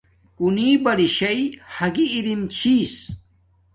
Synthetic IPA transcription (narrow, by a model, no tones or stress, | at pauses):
kuniːbɐɾiɕɐjhɐɡiːɾimt͡ɕʰiːs